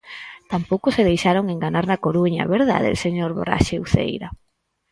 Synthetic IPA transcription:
t̪ampowkʊseðejʃaɾoŋeŋɡanaɾnakoɾuɲa̰βeɾða̰ðḛlseɲoɾβo̰ɾa̰ʃeuθḛjɾa

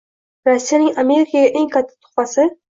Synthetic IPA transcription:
ɾosːijanɪŋame̞ɾɪkʰaɡʲaʔeŋkʰat̪ʰːɪ̥t̪ʰʊ̥χpɑsɪ

